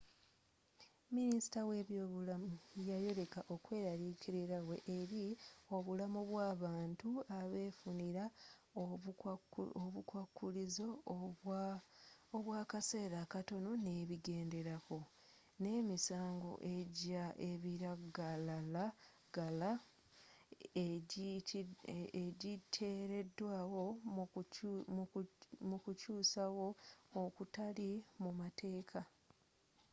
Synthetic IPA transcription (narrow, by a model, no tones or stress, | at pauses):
minisi̥tawe̞ːβjo̞βulamujajo̞ɾe̞kaʔo̞kwe̞ːɾaɾikʰiɾeɾawe̞ʔeɾio̞βulamuβwaːβaːntuaβe̞ːfuniɾa | oβukwakːulizo̞ | oβwaːkase̞ːɾakato̞no̞ne̞ːβiɡe̞ːnde̞ɾako̞ | ne̞ːmisaːŋɡo̞̰ʔe̞ɟaʔe̞βiɾaɡalala | ɡala | eɟitʰe̞ːɾe̞dːwaːwo̞ | mukucuːsawo̞okutalimumate̞ːkʰa